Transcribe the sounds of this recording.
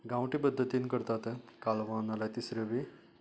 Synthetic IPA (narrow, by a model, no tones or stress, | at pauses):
ɡãwʈipəd̪ʱːət̪inkəɾt̪at̪kalʋanalat̪isɾeʋi